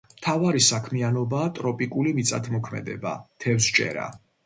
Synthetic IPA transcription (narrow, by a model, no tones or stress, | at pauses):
t̪ʰavaɾisakʰmianɔbaːt̪ʼɾɔpʼikʼulimit̪sʼat̪ʰmɔkʰmɛ̰d̪ɛba̰t̪ʰɛfst͡ʃʼɛ̰ɾa̰